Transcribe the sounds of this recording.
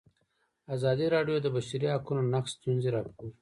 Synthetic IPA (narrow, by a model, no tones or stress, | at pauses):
azɑd̪iɾɑɖjod̪əbaʃaɾiɦakunonaksst̪unziɾɑpkuwi